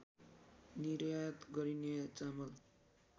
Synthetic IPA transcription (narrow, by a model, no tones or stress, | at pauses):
niɾjajt̪ɡʌɾinet͡samʌl